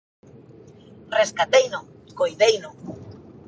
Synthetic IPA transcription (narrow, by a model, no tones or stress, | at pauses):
reskat̪ejnʊkojðejnʊ